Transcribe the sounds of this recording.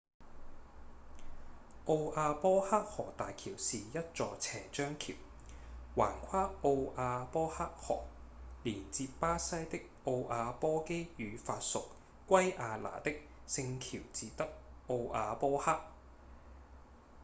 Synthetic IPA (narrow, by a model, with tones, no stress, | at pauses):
ʔo˧wʔaː˧pɔː˥haː˥k̚hɔː˨˩t̪aː˨jkʰiː˨˩wsiː˨jɐ˥t̚t͡sɔː˧t͡sʰɛː˨˩t͡ʃœː˥ŋkʰḭ˨˩w | waː˨˩nkʷʰaː˥ʔo˧wʔaː˧pɔː˥haː˥k̚hɔ̰ː˨˩k̚liː˨˩nt͡siː˧ppaː˥sɐ˥jt̪ɪ˥k̚o˧wʔaː˨˧pɔː˥ke˥jjyː˨˧faː˧t̚sʊ˨k̚ | kːʷɐ˥jʔaː˧la̰ː˨˩t̪ɪ˥k̚ | sɪ˧ŋkʰiː˨˩wt͡siː˨˧t̪ɐ˥k̚ʔo˧wʔaː˨˧pɔː˥haː˥k̚